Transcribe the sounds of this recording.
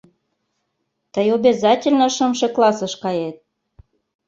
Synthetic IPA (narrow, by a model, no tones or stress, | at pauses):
t̪əjobʲezɑtʲelʲnə̆ʃəmʃĕklˠɑsə̆ʃkɑjet̪̚